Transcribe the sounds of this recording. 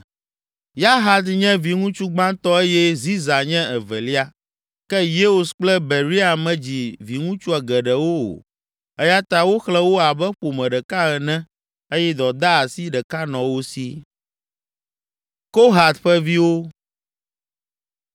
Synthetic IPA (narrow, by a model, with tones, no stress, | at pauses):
ja˦ɦa˨d̪ɲɛ̃˦vi˨ŋũ˦t͡ʃu˦ɡ͡bã˦t̪ɔ˦e˦jɛ˦zi˦za˨ɲɛ̃˦ɛ˨vɛ̰˨li˦a˦ | kɛ˦je˦o˨sk͡plɛ˦be˨ɾi˦a˨mɛ̃˨d͡ʑi˨vi˨ŋũ˦t͡ʃu˦a˨ɡɛ˨ɖɛ˨wo˦o̰˨ | ɛ˦ja˦t̪a˦wo˦xlɛ˦wo˦a˨bɛ˦ɸo˨mɛ̃˨ɖɛ˨ka˦ɣɛ˨nɛ̃˦ | e˦jɛ˦d̪ɔ˨d̪a˦a˨si˦ɖɛ˨ka˦nɔ̃˨wo˦si˦ | ko˦ɦa˨t̪ɸɛ˦vi˦wo˦